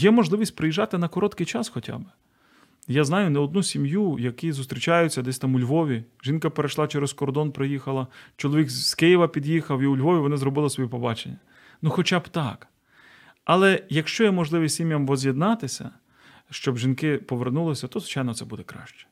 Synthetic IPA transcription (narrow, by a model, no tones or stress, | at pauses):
jɛmɔʒlˠɪʋʲisʲt̚ʲpɾɪjiʒɑt̪ɪnɐkɔɾɔt̪kɪjt͡ʃɑsxɔtʲa̰b | jaznɑjʊnɛɔd̪nusʲimjujɐkizʊst̪ʲɾʲit͡ʃajʊt͡sʲːɐd̪ɛsʲt̪ɑmʊlʲʋɔʋʲiʒinkɐpeɾeʃlˠɑt͡ʃɛɾeskɔrd̪ɔnpɾɪjixɐlˠɐt͡ʃɔlˠɔʋʲikskɪjiʋɐpʲid̪jixɐwiʊlʲʋɔʋʲiʋɔnɪzɾɔbɪlˠɪsʋɔjipɔbɑt͡ʃenʲːɐ | nuxɔt͡ʃabt̪ɑk | ɐlˠɛjɐkʃt͡ʃɔjɛmɔʒlˠɪʋʲistʲsʲimʲjɐmʋɔzʲjed̪nɑt̪ɪsʲɐ̰ | ʃt͡ʃɔbʒinkɪpɔʋernulˠɪsʲɐt̪ɔzlʋɪt͡ʃajnɔt̪sɛbud̪ɛkɾɑ̰ʃt͡ʃɛ̥